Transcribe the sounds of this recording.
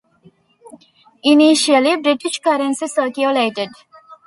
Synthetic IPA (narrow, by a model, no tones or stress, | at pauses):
iniʃəlibɾiʈiʃkɐɾə̃nsisəːkjuleːʈeɖ